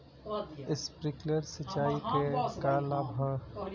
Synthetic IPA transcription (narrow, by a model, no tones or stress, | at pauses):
ɪspɾɪkləɾsət͡ʃaːikekalaːbʱɦãː